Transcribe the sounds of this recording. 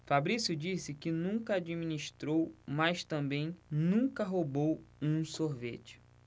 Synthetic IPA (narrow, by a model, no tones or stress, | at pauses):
fabɾisʊd͡ʒisɪkɪnũkɐad͡ʒiminiʃt̪ɾowmajʃt̪ɐ̃bẽj̃nũŋkɐɦobowũsoɾvḛt͡ʃɪ̥